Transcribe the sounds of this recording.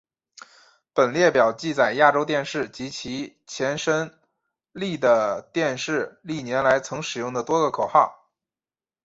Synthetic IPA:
pə˨˩nljɛ˥˩pjɑ˨˩ʊt͡ɕi˥˧t͡sa˨˩ɪja˥˩ʈ͡ʂo˥ʊt̪jɛ˥˧nʂɻ̩˥˩t͡ɕi˧˥t͡ɕʰi˧˥ | t͡ɕʰjɛ˧˥nʂə˥n | li˥˩d̪ə˩t̪jɛ˥˧nʂɻ̩˥˩li˥˩njɛ˧˥nla˧˥ɪt͡sʰɤ˧˥ŋʂɻ̩˨˩jʊ˥˩ŋd̪ə˩t̪wɔ˥ɡə˧kʰo˨˩ʊxɑ˥˩ʊ

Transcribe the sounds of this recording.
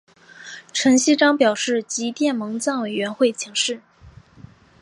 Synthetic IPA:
ʈ͡ʂʰɤ˧˥ŋɕi˥ʈ͡ʂɑ˥ŋpjɑ˨˩ʊʂɻ̩˥˩t͡ɕi˧˥t̪jɛ˥˩nmɤ˧˥ŋt͡sɑ˥˩ŋwe˨˩ɪɥɛ˧˥nxwe˥˩ɪt͡ɕʰi˧˥ŋʂɻ̩˥˩

